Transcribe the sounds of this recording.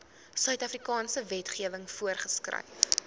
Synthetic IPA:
sœɥtɐfrikɑːnsəvɛtχiəvəŋfuərχəskrɐ̰j

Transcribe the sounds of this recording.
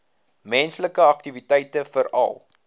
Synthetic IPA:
mɛnsləkəɐk̚tivitɛjtəfəɾɐ̰lˠ

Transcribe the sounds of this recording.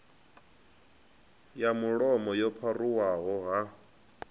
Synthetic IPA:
jamuɺɔmɔjɔpʰaruwaɦɔɦa

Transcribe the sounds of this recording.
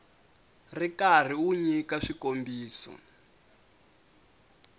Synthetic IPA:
rikar̤iuɲikaʂikombiːsɔ̰

